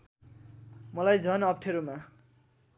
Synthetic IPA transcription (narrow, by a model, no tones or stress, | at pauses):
mʌlajd͡zʱʌnʌp̚ʈʰeɾuma